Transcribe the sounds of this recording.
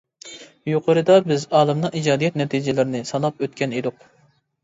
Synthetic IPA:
joqʰəɾɨd̪ɑbɪzɑːlˠɨmnɨŋid͡ʒɑːd̪ijɛt̪̚nɛt̪ʰid͡ʒɪlˠɪɾɪnɨsɑnˠɑpøt̪̚kʲɛnid̪ʊq

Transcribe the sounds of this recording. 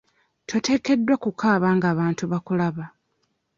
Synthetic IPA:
tʰo̞te̞ːke̞dːwakukʰaːβaːŋɡaːβaːntuβakulaβa

